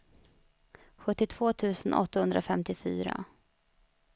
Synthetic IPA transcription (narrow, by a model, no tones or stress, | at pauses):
ɧɵt̪ːɪt̪ʰv̥oːt̪ʰʉ̟ːsənʔɔ̰t̪ːahɵnd̪ɾʔafɛmt̪ɪfy̰ːɾa̰